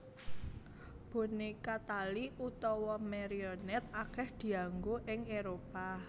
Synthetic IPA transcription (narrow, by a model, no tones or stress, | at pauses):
b̥o̤nekat̪aliut̪ɔwɔmeɾiɔnɛt̪̚akɛhd̪̥i̤aŋɡoʔɪŋeɾopa